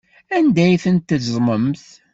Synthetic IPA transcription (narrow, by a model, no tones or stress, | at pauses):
ænd̪æjθənt̪ːəzˤməmθ